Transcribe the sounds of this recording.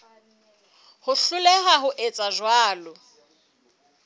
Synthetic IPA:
hʊɬʊlɛɦaɦʊʔet͡sʼaʒwaːlʊ

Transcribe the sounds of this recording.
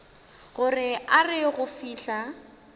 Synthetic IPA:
ɣʊrɪarɪɣʊfiːɬa

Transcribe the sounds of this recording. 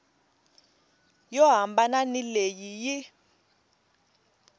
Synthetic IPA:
jɔɦambananilejiji

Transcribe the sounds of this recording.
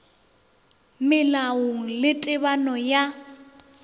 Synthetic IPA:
mɪlaʊŋ̩lɪtʼɪβanɔja

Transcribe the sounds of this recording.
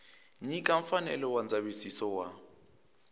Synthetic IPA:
ɲikʼaɱ̩fanɛ̰lɛwand͡zaβisisɔwa̰

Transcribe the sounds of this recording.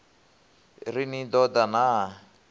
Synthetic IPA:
rinid̪ɔd̪ana

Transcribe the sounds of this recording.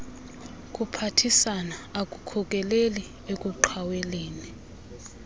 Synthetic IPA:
k̬ʼupʰatʰisanaakʼukʰɔk̬ʼɛleli | ek̬ʼuǃʰaweliːni

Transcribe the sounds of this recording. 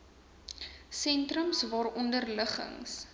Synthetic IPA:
sɛntrəmsvɑːɾɔndərləχə̰ŋs

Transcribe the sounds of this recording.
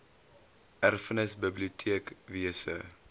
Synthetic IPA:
ʔærfənəsbəbliutʰiəkviəsə̰

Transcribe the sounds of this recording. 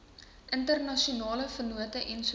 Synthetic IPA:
ʔəntərnɐʃiunɑːləfənuətəʔɛns

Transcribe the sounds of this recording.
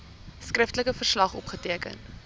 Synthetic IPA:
skrəftələkəfərslɐχɔ̰pχətiəkə̰n

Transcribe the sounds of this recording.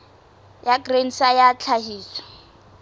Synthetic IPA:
jaɡren̩sajat͡ɬʰaɦiːsɔ̥

